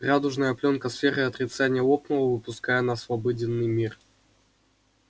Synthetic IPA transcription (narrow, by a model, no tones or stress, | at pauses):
rad̪ʊʐnəjəplʲonkəsfʲeɾɨɐt̪ɾʲɪt̪sanʲɪjəlˠoknəvəvɨpʊskajənɐsvɐbodʲɪnːɨjmʲir